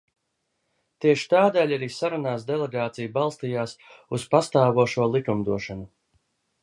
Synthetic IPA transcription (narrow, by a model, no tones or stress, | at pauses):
t̪iɛʃi̥t̪aːd̪ɛːlʲaɾiːsaɾunaːsd̪ɛlˠeɡaːt̪sijubalˠst̪ijaːsuspast̪aːvuɔʃuɔlˠikumd̪uɔʃanu